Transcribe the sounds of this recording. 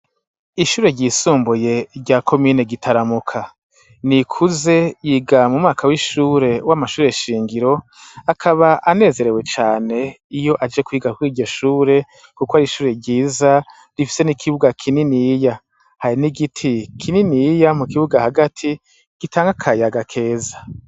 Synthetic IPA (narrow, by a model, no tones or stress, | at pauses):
iʃuːɾe̞ɾɟiːsuːmbuje̞ɾɟakʰo̞miːne̞ɡitʰaɾamukʰa | nikʰuze̞jiɡamumŋaːkʰawiʃuːɾe̞wamaʃuːɾe̞ʃiːŋɡiɾo̞ | akʰaβaʔane̞ːze̞ɾe̞we̞t͡ʃaːne̞ | ijo̞ʔad͡ʒe̞kwiːɡakuiːɟo̞ʃuːɾe̞ | kukoaɾiʃuːɾe̞ɾɟiːza | ɾifi̥se̞nikʰiβuɡakʰininija | haɾiniɡitʰikʰininijamukiβuɡahaɡatʰi | ɡ̥itaːŋɡakʰajaɡakʰe̞ːzḁ